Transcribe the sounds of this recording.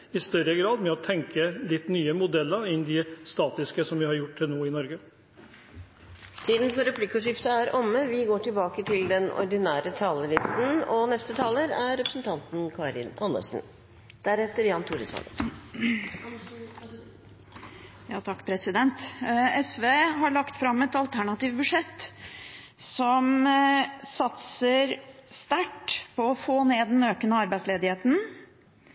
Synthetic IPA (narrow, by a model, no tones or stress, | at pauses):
ɪst̪œɾəɡɾɑːd̪mɛɔt̪ʰɛŋkəlɪt̪ːnyːəmʊd̪ɛlːəɾɪnd̪ɪst̪ɑːt̪ɪskəsɔmʋɪhɑɾjʊʈːtɪnuːɪnɔɾɡə | t̪ʰiːd̪n̩pɔɾɛpʰlɪkːʊʂɪft̪əæɾʔɔmːəʋɪɡoːʈɪlbɑːkət̪ʰɪld̪ɛnɔ̰ɾɖ̪ɪnæːɾət̪ʰɑːləɭɪst̪n̩ɔnɛst̪ət̪ʰɑːləɾæɾɾɛpɾəsn̩t̪ʰɑnt̪n̩kʰɑɾɪ̰nʔɑ̰nːə̰ʂn̩ | d̪̥æɾɛt̪ːəɾjɑnt̪ʰuːɾə̰sɑ̰lə̰ɾ | jɑːt̪ʰɑkːpʰɾɛsɪd̪ɛnt̪ɛsʋeːɦɑɭɑkt̪fɾɑmːɛt̪ɑlt̪ʰæɳɑt̪iːʋbʉʂɛt̪ː | sɔm | sɑt̪səɾst̪æʈpʰɔɔfoːneːd̪ɛnøːkənəɑɾbæɪt̪sleːd̪ɪheːt̪n̩